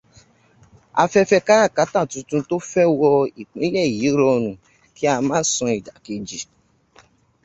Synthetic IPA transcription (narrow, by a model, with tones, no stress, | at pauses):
a̰˧fɛ˦fɛ˦ka˦ɾa˦˨ka˨˦ta˦˨tũ˧tũ˧to˦fɛ˦wɔ˧i˨k͡pĩ˨˦lɛ˦˨ji˨˦ɾɔ˧nũ˨ | ki˦a˧mãː˦sɔ̃˧i˨da˨ki˧d͡ʒi˨